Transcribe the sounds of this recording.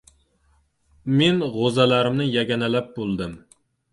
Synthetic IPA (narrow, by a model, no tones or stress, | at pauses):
menʁozɛlæɾɪmnɨjɛɡʲɛnɛlɛp̚bolˠd̪ɨm